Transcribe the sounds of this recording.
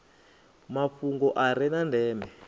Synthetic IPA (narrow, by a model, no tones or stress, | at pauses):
mafuŋɡɔʔaɾɛnandɛːmbɛ